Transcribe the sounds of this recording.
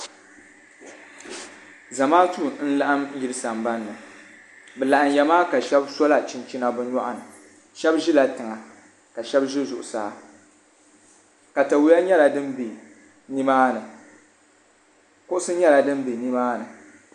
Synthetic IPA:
za˨maː˦tu˦˨n̩˦la˦ʔa˦m˦jɪ˦ɾɨ˦sa˨mba˦nːɨ˨ | bɛ˨la˨ʔa˨mjɛ˨maː˦ka˨ʃɛ˦b̚so˦la˨t͡ʃi˦nt͡ʃi˦na˦bɨ˦nɔ˦ʔa˨nɨ˨ | ʃɛ˦bʒɪ˦la˨tɨ˨ŋa˨ | ka˨ʃɛ˦bʒɪ˦zʊ̰˨ʔʊ˨saː˦ | ka˨ta˨wu˦ja˦ɲɛ˦la˨dɨ˦mbi˨ | ni˦maː˦nɨ˨ | kʊ˦ʔʊ˦sɨ˦ɲɛ˦la˨dɨ˦mbi˨ni˦maː˦nɨ˨

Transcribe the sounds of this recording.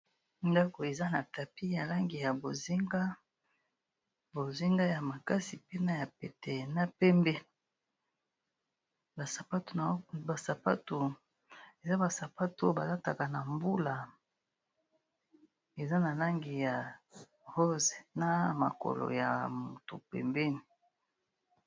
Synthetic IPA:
nda˦ko˨e˨za˦na˨ta˨pi˦ja˨la˦ŋɡi˨ja˨bo˨zi˦ŋɡa˦ | bo˨zi˦ŋɡa˦ja˨ma˨ka˦si˨pe˦na˦ja˨pe˨te˨na˦pɛ˦mbe˦ | ba˨sa˨pa˦tu˨˦ba˨sa˨pa̰˦tu˨ | e˨za˦ba˨sa˨pa˦tu˦o˦ba˨la˦ta˨ka˨na˨mbu˦la˨ | e˨za˦na˨la˦ŋɡi˨ja˨ | ʁo˦ze˨na˦ma̰˨ko̰˨lo̰˨ja̰˨mu˨to̰˨pɛ̰˨mbɛ˦ni˨

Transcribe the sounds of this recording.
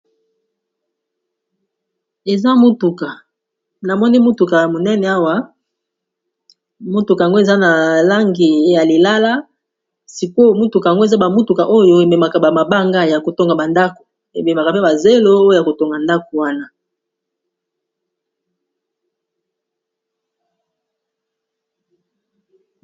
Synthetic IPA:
e˨za˦mo˦tu˨ka˨ | na˨mɔ˦ni˦mu˦tu˨ka˨a˨mo˨nɛ˦nɛ˨a˦wa˦ | mo˦tu˨ka˨ja˨ŋɡo˦e˨za˦na˨la˦ŋɡi˨˦ja˨li˨la˦la˦ | si˨ko˦mu˦tu˨ka˨a˨ŋɡo˦e˨za˦ba˨mu˦tu˨ka˨ʔo˦jo˦e˨me˨ma˨ka˨ba˨ma˨ba˦ŋɡa˦ja˨ko˨to˦ŋɡa˨ba˨nda˦ko̥˨ | e˨be˨ma˨ka˨pe˦ba˨ze˦lo˦o˦jo˦ja˨ko˨to˦ŋɡa˨nda˦ko˨wa˦na˦

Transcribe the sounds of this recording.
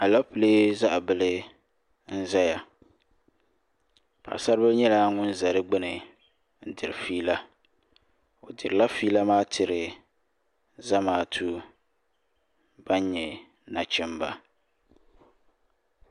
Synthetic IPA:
a˨la˦pɨ˨le˦za˦ʔa˨bɨ˨lɨ˦ | n̩˦za˦ja˨ | pa̰˨ʔsa˦ɾbɨ˦lɲɛ˦la˦ŋʊ˦n˦za˨ɾɪ˦ɡ͡bɪ˦nɨ˨ | n̩˦dɨ˨ɾɪ˨fiː˦la˦ | o˨dɨ˨ɾɨ˨la˦fiː˦la˦maː˦tʰɪ˨ɾɪ˨ | za˦maː˨˦˨tʰu˦ | b̥a˦n˦ɲɛ˨ | na˨t͡ʃɪ˦mba˦

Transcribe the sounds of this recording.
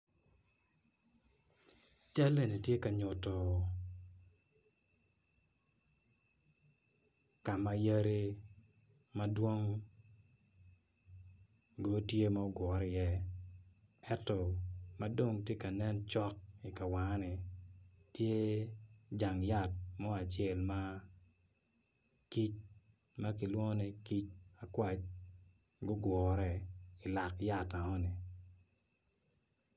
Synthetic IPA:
t͡ʃa˦lːe˨ni˨tje˦ka˨ɲʊ˨tɔ˨ | ka˨ma˨ja˦ɾi˦ | ma˦dwo˦ŋ | ɡo˦tje˦ma˦ɔ˦ɡɔ˨˦ɾjɛ˦ | ɛ˦tːɔ˨ma˦do˦ŋtje˦ka˨nɛ˦nt͡ʃɔ˦k̚i˨ka˨wa˨ŋ˦ni˨ | tje˦ | d͡ʒa˨ŋja˦˨t̚mɔ˦a˨t͡ʃje˦˨lma˦ | ki˦t͡ʃ | ma˦ki˨lwɔ˦ŋ˦nɛ˨ki˦t͡ʃa˨kwa˦t͡ʃ | ɡʊ˦ɡwɔː˨ɾɛ˦˨ɪ˨la˨kja˨ta˨ŋɔ˦ni˨

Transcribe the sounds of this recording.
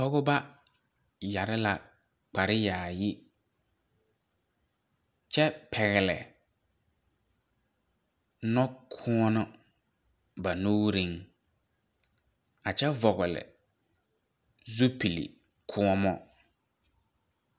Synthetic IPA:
tɔ˦ɣʊ˦ba˦ | ja˨ɾɪ˦la˨ | k͡pa˨ɾɪ˦jaː˨jɪ˦ | t͡ʃɛ˦pʰɛ˨ɣɛ˨lɛ̰˨ | nɔ˦kʰʊ˦ɔ˦nɔ˦ | ba˨nu˦ɾi˦ŋ | a˨t͡ʃɛ˦vɔ˨ɣʊ˨lɪ̰˨ | zu˦pi˨lḭ˨ | kʰʊ˦ɔ˦mɔ˦

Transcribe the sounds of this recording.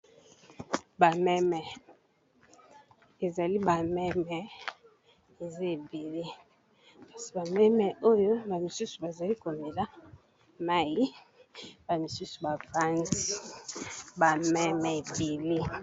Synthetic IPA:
ba˨mɛ˦mɛ˨ | e˨za˨li˦ba˨mɛ˦mɛ˨ | e˨za˦e˨be˨le˦ | pa˦˨si̥˨ba˨mɛ˦mɛ˨ʔo˦jo˦ba˨mi˨su˦su˨ba˨za˨li˦ko˨me˨la˦ | ma˦ji˦ | ba˨mi˨su˦su̥˨ba˨fa˦nzi˦ | ba˨mɛ˦mɛ˨e˨be˨le˦

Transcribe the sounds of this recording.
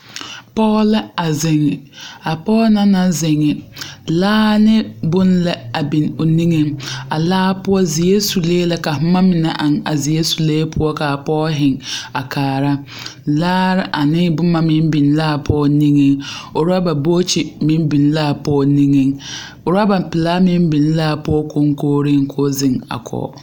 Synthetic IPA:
pɔː˦lɛ˦a˨zɪ˨ŋ˨a˨pɔː˦na˦na˦zɪ˨ŋɪ˨laː˦nɪ˦bʊ˦nlɛ˦a˨bi˨no˨ni˦ŋe˦ŋa˨laː˦pʊ˦ɔ˦zɪ˨e˦su˨leː˦lɛ˦ka˨ɦʊ˦ma˦mɪ˨na˨ʔa˨ŋa˨zɪ˨je˦su˨leː˦pʰʊ˦ɔ˦ka˨a˨pɔː˦ɦɪ˨ŋa˨kʰaː˨ɾa˦ | laː˦ɾɪ˦ʔa˨nɪ˦bʊ˦mːa˦mɪ˦m˦bi˨n˦laː˦˨pʰɔː˦ni˦ŋe˦ŋo˨ɾa˦ba˨boː˦t͡ʃi˨mɪ˦m˦bi˨n˦laː˦˨pɔː˦ni˦ŋe˦ŋ | o˨ɾa˦ba˨m˨pɪ˨laː˦mɪ˦m˦bi˨n˦laː˦˨pʊ˦ɔ˦ko˦ŋ˦koː˦ɾi˦ŋkʰo˦zɪ˦ŋa̰˨kʰɔ̰˨

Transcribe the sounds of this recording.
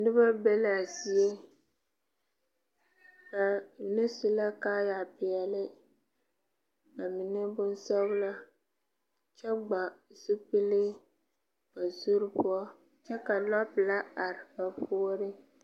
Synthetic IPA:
nɨ˦ba˦bɛ˦la˨zi˦e˦ | ka˨nɪ˦sʊ˨la˦kaː˦ja˨pɪ˨ɛ˨lɪ˦ | ka˨mi˨nɛ˦bʊ˦n˦sɔ˦ɡʊ˦la˦ | t͡ʃɛ˦ɡ͡ba˨sɨ˦k͡pɨ˦lɪ˦ | ba˨zu˦ɾɨ˦pʊ˦ɔ˦ | t͡ʃɛ˦ka˨lɔ˦pla˦a˨ɾɪ˨ba˨po˦ɾɪ˦

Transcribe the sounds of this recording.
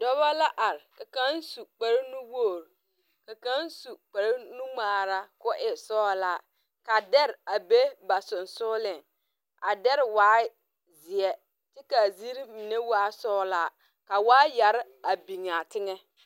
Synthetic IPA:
dɔ˦βa˦la˦ʔa˨ɾɪ˨ka˨ka˦n˦su˨k͡pa˨ɾi˦nu˦woː˦˨ɾ | ka˨ka˦n˦su˨k͡pa˨ɾi˦nu˦ŋ͡maː˨ɾa˦kʊ˦ʔɪ˨sɔː˦˨la˦ | ka˨dɛ˦ɾa˨be˦ba˨sʊ˨nsʊː˦lɪ˦˨ŋ | a˨dɛ˦ɾɪ˨waː˦ | zɪ˨ɛ˦ | tɪ˦ka˨zi˦ɾi˦mi˨ne˦waː˦sɔː˦˨la˦ | ka˨waː˦ja˨ɾɪ˦ | a˨bi˨ŋa˨tɪ˦ŋɛ˦

